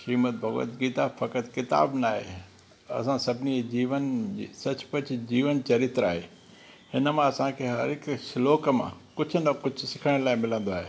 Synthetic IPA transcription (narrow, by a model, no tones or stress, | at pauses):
ʃiːmət̪̚bʱɐɣo̰t̪ɡiːt̪afɐkət̪kɪt̪a̰ːbnaːɦḛ | ɐ̰sãsɐbʱɪnid͡ʑiːʋənːsɐt͡ɕpɐt͡ɕd͡ʑiːʋənt͡ɕɐɾɪt̪ɾaːɦeː | hɪnəmãɐsãkʰeːɦɐɾɪksloːkmã̰kʊd͡ʑʱʊnɐkʊd͡ʑʱʊsɪkʰəɽə̃ɽ̃laːɪmɪlə̃nd̪oaːɦeː